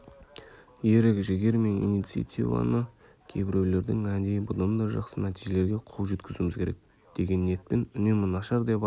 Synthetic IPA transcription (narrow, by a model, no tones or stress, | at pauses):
jeɾɪkʒɪɡʲe̞ɾme̞nḭnijt̪sɨja̰t̪ivɑ̰nə | kʲʰejbɪɾe̞wle̞ɾd̪ɪŋænd̪e̞jbʊd̪ɑnd̪ɑʒɑqsənæt̪iʒe̞le̞ɾɡʲe̞qʰulˠʒe̞t̪kʲɪzumɪzkʲʰe̞ɾḛk̚ | d̪̥e̞ɡʲe̞nːe̞t̪̚pe̞nʏne̞mɪnɑʃɑɾd̪ep